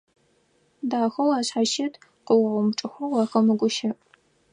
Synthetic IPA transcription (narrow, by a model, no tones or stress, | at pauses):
daːxɐwaːɕħaʃɐtʰqəwɐʁʷʊmʈ͡ʂʼɨxʷɔwɑːxɐmɨɡʷʊʃɐpʼ